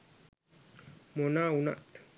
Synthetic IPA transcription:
monauna̰ʔt̪

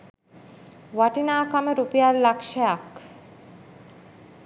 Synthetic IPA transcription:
ʋaʈinaːkaməɾupijallakʃajak

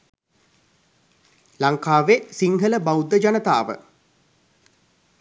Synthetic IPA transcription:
laŋkaːʋesiŋɦələbawd̪ːəd͡ʒanət̪a̰ːʋə̰

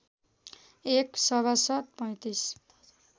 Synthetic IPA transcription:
eksʌβasʌt̪̚pʌ̃j̃t̪is

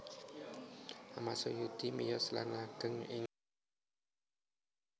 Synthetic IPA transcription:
amasojud̪̥imijɔsla̰nlaɡ̥əŋɪŋ

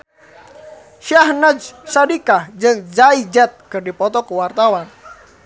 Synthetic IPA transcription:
ʃahnad͡ʒsadikahd͡ʒɨŋd͡ʒaid͡ʒat̪̚kɨrdipɔt̪ɔkuwart̪awan

